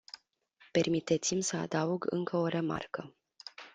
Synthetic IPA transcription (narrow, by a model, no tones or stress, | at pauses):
pe̞rmit̪et̪simsəa̰d̪auɡɨ̰ŋkəo̞ɾe̞ma̰rkə